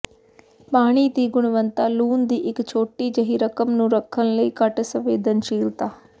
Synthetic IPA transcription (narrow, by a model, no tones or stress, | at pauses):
paːɽ̃iːt̪iːɡʊɽʋənt̪aːluːnd̪iːʔɪkt͡ʃʰoːʈiːd͡ʒəɦiːɾəkəmnũːɾəkʰːənləiːkəʈsəʋeːd̪ənʃiːlt̪aː